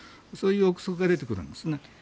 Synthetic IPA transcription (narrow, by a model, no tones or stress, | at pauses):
so̞ːjɯːokɯ̥sokɯɡad̪e̞t̪̬e̞kɯ̟ɾɯ̟̰̃nd̪e̞sne